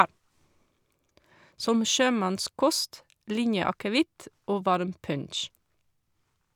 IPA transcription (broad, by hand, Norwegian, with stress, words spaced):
ˈsɔm ˈʃøːˌmɑnˌskɔst ˈlɪnjəɑkəˌʋɪt ˈʔoː ˈʋɑɾm ˈpœnʃ